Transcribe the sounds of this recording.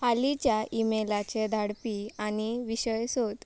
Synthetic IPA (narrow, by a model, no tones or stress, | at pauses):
halit͡ɕjaimelat͡ɕed̪ʱaɽpianiʋiɕəjsot̪